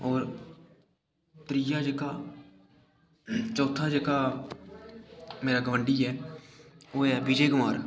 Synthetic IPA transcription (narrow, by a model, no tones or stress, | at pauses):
ɔːɾ | t̪ɾɪjad͡ʒeka | t͡ʃɔːt̪ʰad͡ʒekaː | meːɾaɡəʋə̃ɳɖiɦɛː | oːɦɛːbid͡ʒeːɡʊmaːɾ